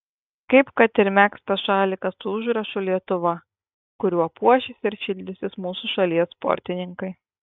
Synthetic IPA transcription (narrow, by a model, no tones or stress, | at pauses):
kɐɪpkɐt̪ɪɾʲmʲæːkst̪ɐʃɑːlʲikɐt̪suːʊʒɾɐʃʊlʲiɛt̪ʊʋɐ | kʊɾʲuɔpuɔʃʲɪsʲɪɾʃʲɪlʲd̪ʲɪsʲɪsmuːsʊʃɐlʲiɛsːpɔ̰ɾʲt̪ʲɪnʲɪŋkɐɪ